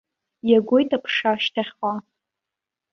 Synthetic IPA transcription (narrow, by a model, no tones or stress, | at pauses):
jaɡʷojtʼapʰʂaʃtʰaχʲa